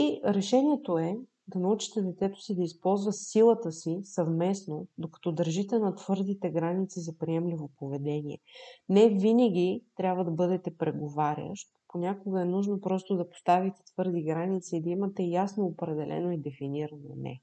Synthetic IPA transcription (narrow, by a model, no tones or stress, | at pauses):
iɾɛʃɛnʲiɛt̪oɛ | d̪ɐnɐut͡ʃi̥t̪ɛd̪ɛt̪sɛt̪o̥sid̪ɐispɔlˠzvət̪silˠət̪əsisɐvmɛsnod̪okɐ̥t̪ɔd̪əɾʒit̪ɛnɐt̪v̥ɤɾd̪it̪ɛɡɾanit̪sizɐpɾiɛmlivopovɛd̪ɛniɛ̰nɛvinəɡ̟it̪ɾʲabvəd̪ɐbɤd̪ɛt̪ɛpɾɛɡovaɾʲjə̰ʃt̪ponʲakoɡəɛnuʒnopɾɔst̪od̪ɐpo̥st̪avit̪ɛ̥t̪vɤɾd̪iɡɾanit̪siːd̪ɐimət̪ɛjasnoːpɾɛd̪ɛlʔɛ̰noid̪ɛfiniɾɐno̰nɛ̰